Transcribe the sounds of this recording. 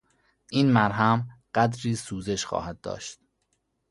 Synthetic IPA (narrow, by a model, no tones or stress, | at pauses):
ʔiːnmæɾɦæmɢ̥æd̪ɾiːsuːze̞ʃxɒ̰ːhæd̪̚ːɒ̰ːʃt̪̚